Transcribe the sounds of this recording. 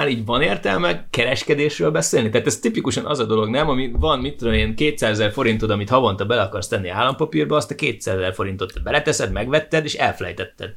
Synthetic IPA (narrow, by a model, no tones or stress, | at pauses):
aːɾiːɟvɒneːrt̪ɛlmɛkɛɾɛʃkɛd̪eːʃrøːlbɛseːlnit̪ɛaːt̪ɛst̪ipikuʃɒnʔɒ̰zɒd̪o̞lo̞ɡnɛmɒmivɒnmit̪ːod̪omeːnkeːt̪saːzɛzɛrfo̞ɾint̪od̪ɒmit̪hɒvont̪ɒbɛlɛɒkɒrst̪ɛnːia̰ːlːɒmpɒpirbɒːst̪ɛkeːt̪saːzɛzɛrfo̞ɾint̪o̞t̪ːɛbɛlɛt̪ɛsɛd̪mɛɡʋɛt̪ːɛd̪eːʃɛlfɛlɛ̰jt̪ɛt̪ːɛ̰d̪